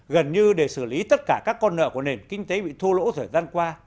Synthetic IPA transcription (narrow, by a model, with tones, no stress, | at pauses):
ɣə˨˩nɲɨ˧ɗe˧˩sɨ˧˩li˨˦t̪ə˦˥t̚kaː˧˩kaː˦˥kːɔ˧nːə̰ː˧˨ku˧˩ne˨˩nkï˧ŋ̟t̪e˨˦ɓḭ˧˨t̪ʰu˧lo̰˧˥t̪ʰəː˨˩jzaː˧nkwaː˧